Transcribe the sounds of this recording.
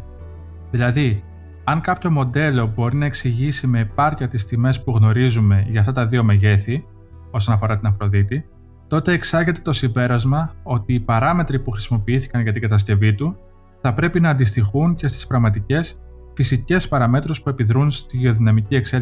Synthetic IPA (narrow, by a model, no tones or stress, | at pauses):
ðilɐði | ɐŋkɐpço̞mo̞d̪e̞lo̞bo̞ɾinɐeksiʝisime̞ːpɐɾciɐt̪ist̪ime̞spuɣno̞ɾizume̞ʝɐft̪ɐt̪ɐðio̞meʝe̞θi | o̞so̞nɐfo̞ɾɐt̪inɐfɾo̞ðit̪i | t̪o̞t̪e̞ːksɐʝe̞t̪e̞t̪o̞simbe̞ɾɐzmɐo̞t̪iːpɐɾɐme̞t̪ɾipuxɾisimo̞piiθi̥kɐnʝɐt̪iŋɡɐt̪ɐs̬ce̞vit̪u | θɐpɾe̞pinɐːnd̪ist̪ixunce̞st̪i̥spɾɐɣmɐt̪ice̞s | fisice̞spɐɾɐme̞t̪ɾo̞spue̞piðɾunst̪iʝeo̞ðinɐmicie̞ksel